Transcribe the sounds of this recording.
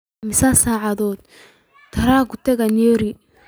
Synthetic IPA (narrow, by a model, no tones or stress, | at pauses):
mɪsasaːʕɑðɔːd̪̚ | t̪ʰɐɾaːɡʊt̪ʰɛɣɐnɛɾi